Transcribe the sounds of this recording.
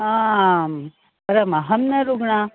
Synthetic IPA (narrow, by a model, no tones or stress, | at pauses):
aːm | pɐɾɐmɐɦɐmnɐɾuɡɳa